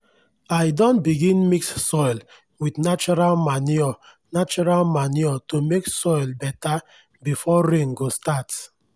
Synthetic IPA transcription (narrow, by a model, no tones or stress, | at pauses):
ajdɔ̃nbiɡĩnmikssɔɪl | widnat͡ʃɔɾalmaniɔ | nat͡ʃɔɾalmaniɔtomeksɔjlbɛta | bifɔɾẽnɡostat